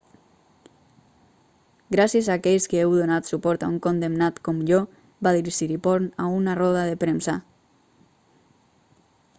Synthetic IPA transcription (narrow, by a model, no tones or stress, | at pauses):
ɡɾasjezaːkɛʎskeewðonat̪supɔɾt̪a̰uŋkond̪emnat̪komʎo | baðiɾiʃiɾipɔɾnaunarɔð̞aðepɾemsa